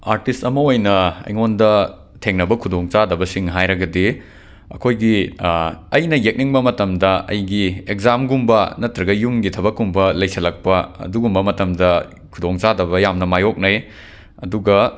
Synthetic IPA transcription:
aɾtistɐmɐojnɐɐ̰jŋondɐ | tʰeŋnɐbɐkʰudoŋt͡ʃadɐbɐsiŋɦajɾɐɡɐdi | ɐ̰kʰojɡi | ɐjnɐjek̚niŋbɐmɐtɐmdɐʔɐ̰jɡiekzamɡumbɐnɐtɾɐɡɐjumɡitʰɐbɐkːumbɐlɐjsɐlɐk̚pɐɐ̰duɡumbɐmɐtɐmdɐ | kʰudoŋt͡ʃadɐβɐjamnɐmajok̚nɐj | ɐduɡɐ

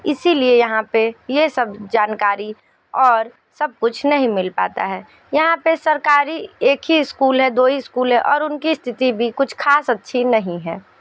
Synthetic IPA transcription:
ɪsiliejɐɦãpejesɐbd͡ʒaːnkaːɾi | ɔːɾ | sɐb̚kʊt͡ʃʰnɐɦĩmɪlpa̰ːt̪a̰ɦɛː | jɐɦãpesɐɾkaːɾieːkɦiskuːlɦɛd̪oːiɪskuːlɦɛ̃ʔɔːɾʊnkist̪ʰɪt̪ibʱikʊt͡ʃʰkʰaːsɐtːʃʰinɐɦĩɦɛː

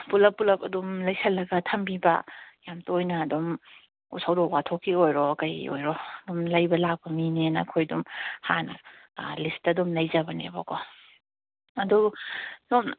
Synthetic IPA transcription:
pulɐpːulɐpɐdumlɐjsʰɐlːɐɡɐtʰɐmbibɐ̰jamtojnɐːdum | ṵsʰɐwdowatʰokʰːiojɾɔkɐjo̰jɾɔdumlɐjbɐlak̚bɐminenɐkʰojdumha̰nɐ̰listɐdumlɐjzɐbɐnḛbokʰɔ | ɐdudom

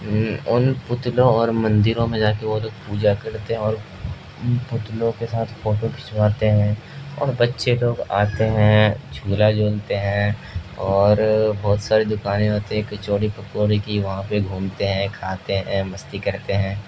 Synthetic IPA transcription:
ʊnpʊt̪lõɔːɾmɐ̃nd̪ɪɾõmẽd͡ʒaːkeʋoɦloːɡ̚puːd͡ʒakɐɾt̪eɦɛ̃ɔːɾ | pʊt̪lõkesaːt̪ʰfoːʈokʰɪ̥ʃʋaːt̪eɦɛ̃ː | ɔ̰ːɾbɐtːʃeloːɡa̰ːt̪eɦɛ̃t͡ʃʰuːlad͡ʒoːlt̪eɦɛ̃ːɔːɾbɔːt̪saːɾed̪ʊkaːnẽɦoːt̪eɦɛ̃kɐt͡ʃoːɽipɐkoːɽikiʋɐɦãpeɡʱuːmt̪eɦɛ̃kʰaːt̪eɦɛ̃mɐst̪ikɐɾt̪eɦɛ̃ː

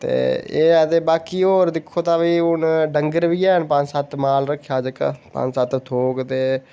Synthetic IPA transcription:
t̪ḛːeːət̪eːbaːkiːoːɾd̪ɪkʰːoːt̪ãːʋiːʊnɖəŋɡəɾʋiːɛːɦənpəɲsət̪maːlɾəkʰːjaːd͡ʒəkpə̰̃sət̪t̪ʰoːkt̪eː

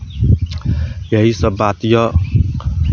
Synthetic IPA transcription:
jaisəbat̪jɔ

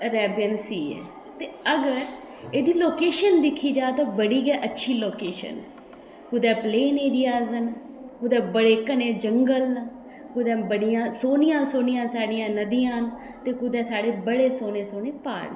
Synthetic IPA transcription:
ɾɛːbjənsiːɛ̰ː | t̪eːəɡəɾ | eːd̪iːloːkeːʃənd̪ɪkʰːiːd͡ʒaːt̪ãːbəɽiːɡɛːʔətːʃʰiːloːkeːʃə̰nː | kʊd̪ɛːpleːneːɾiːaːzən | kʊd̪ɛːbəɽeːkəneːd͡ʒəŋɡəln | kʊd̪ɛ̃ːbəɽɪjãːsoːnɪjãːsoːnɪjãːsaːɽɪjãːnəd̪ɪjãːn | t̪eːkʊd̪ɛːsaːɽeːbəɽeːsoːneːsoːneːpa̰ːnɛː

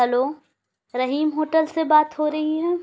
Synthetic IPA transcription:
əloː | ɾɐɦiːmɦoːʈəlsebaːt̪ɦoɾɐɦiɦɛː

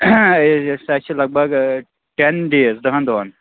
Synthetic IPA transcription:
sɐt͡ʃʰilɐɡ̚bɐɡ | ʈenɖeːzd̪ɐɦɐnd̪oːn

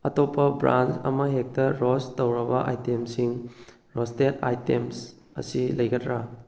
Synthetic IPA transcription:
ɐtopːɐbɾa̰nt͡ʃɐ̰mɐɦek̚tɐɾostɐwɾɐbɐʔa̰jtemsiŋ | ɾɔsteta̰jtems | ɐ̰silɐjkɐtʰɾa

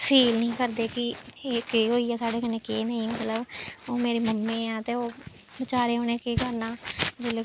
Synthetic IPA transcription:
pʰiːlnəĩːkəɾd̪eːkɪkeɦoːiːɛːsaːɖeːkənekeːnəĩːmət̪ləboːmeːɾiːməmːẽːãːt̪eːoː | bɪt͡ʃaːɾeːɦoːneːkekəɾnaːd͡ʒeːle

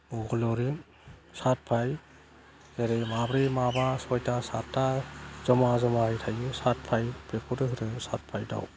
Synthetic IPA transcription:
ɔɡɔlɔɾim | sat̚pʰaj | eɾemabɾimabasɔjtasatːaz̥ɔmazɔmahɯjtʰajɯsat̚pʰajpekʰuɾɯɦɯɾɯsat̚pʰajda̰w

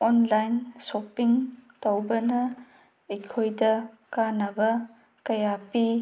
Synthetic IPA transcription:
ɔnlajnsopiŋtowbɐnɐ | ikʰojdɐ | kanɐbɐ | kɐjapi

